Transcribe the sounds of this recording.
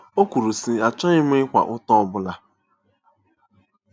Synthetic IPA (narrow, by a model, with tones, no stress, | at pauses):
o˦kʷu˨ɾu˨si˨a˨t͡ʃɔ˦ɲɪ˦m˦ɪ˦ɪ˦kʷa̰˨ʔʊ˦tɔ˦ɔ˦bʊ˦la˦